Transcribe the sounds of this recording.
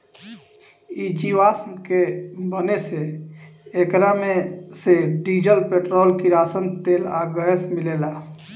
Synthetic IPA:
id͡ʒiʋaskebəneseː | kɾameseɖid͡ʒəlpeʈɾolkiɾasənt̪ela̰ɡəɛsmilela

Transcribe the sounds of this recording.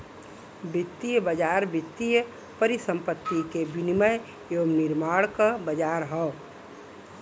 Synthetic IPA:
bɪt̪ːijəbəd͡ʒaːɾbɪt̪ːijə | pəɾisə̃mpət̪ːikebiniməj | jomnɪɾmaːɽkabəd͡ʒaːɾɦɛː

